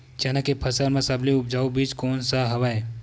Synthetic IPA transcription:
t͡ʃɐnakepʰɐsəɾmẽsɐbliʊp̚d͡ʒaːubiːt͡ʃkoːnsaɦɐʋae

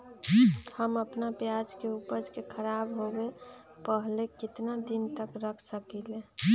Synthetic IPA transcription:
həməpnapjad͡ʒkeupəd͡ʒkekʰəɾabɦowe | pəɦlekɪt̪nad̪int̪əkɾəkʰsəkele

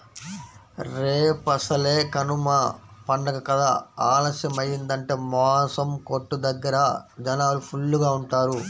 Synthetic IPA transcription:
ɾeːpɐsɐle̞ːkɐnumɐpɐɳɖɐkɐkɐd̪aaːlɐsjɐmɐjːind̪ɐɳʈe̞ːmɔːsɐmkoʈːud̪ɐɡːɐɾɐd͡ʒɐnaːlupʰulːuɡaːuɳʈaːɾu

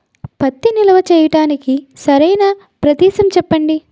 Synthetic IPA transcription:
pɐt̪ːinilɐʋɐt͡ʃɛːjɐʈaːnikisɐɾɐjnɐ | pɾɐd̪iːʃɐmt͡ʃɛpːɐɳɖi

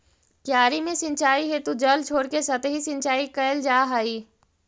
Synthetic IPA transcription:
kjaːɾimẽsɪ̃nt͡ʃaːiɦeːt̪ud͡ʒəlt͡ʃʰoːɽkesɐt̪ɦisɪ̃nt͡ʃaːikɐəld͡ʒaːɦaːiː

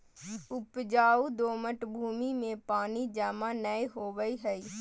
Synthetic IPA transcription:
ʊpd͡ʒaːud̪oːməʈbʱuːmimẽpaːnid͡ʒaːmãnəeɦoːʋəiɦəiː

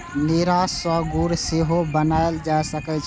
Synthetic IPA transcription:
neːɾaswəːɡuːɾseɦobənaːjld͡ʒaːsəkət͡ʃʰ

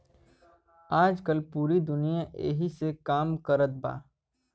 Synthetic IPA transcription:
aːd͡ʒkəlpuːɾid̪ʊnijaʔḛːɦisekaːmkəɾət̪̚ba̰ː

